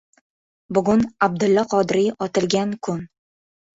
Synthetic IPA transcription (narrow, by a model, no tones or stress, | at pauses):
bʊɡʊnab̚d̪ʊlːɒqʰɒd̪ɾɪjʔɒt̪ɪlɡʲankʰʊn